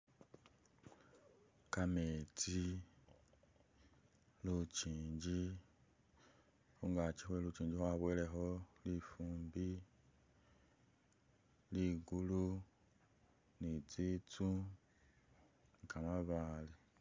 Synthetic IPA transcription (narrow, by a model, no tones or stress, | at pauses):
kametʰi | lut͡ʃiɲd͡ʒi | hoŋɡat͡ʃiɦwelut͡ʃiɲd͡ʒiɦoaβweleɦɔlifumbi | liɡulu | nid͡zit͡su | ŋkʰamaβali